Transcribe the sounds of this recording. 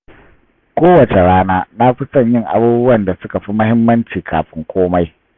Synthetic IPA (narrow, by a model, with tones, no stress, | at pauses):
kʷoː˦wɐ˨t͡ʃe˨ɽaː˦naː˦na˦ɸi˦sɐ˦˨ɲjɪ˦˨ŋʔa̰˦buː˦bʊ˦wɐ˨nda˨sʊ˦ka˨ɸi˦mʊ˦hɪ˦mːɐ˦nt͡ʃiː˨kʰa̰ː˨ɸɪ˦ŋkʷʰoː˦ma˦j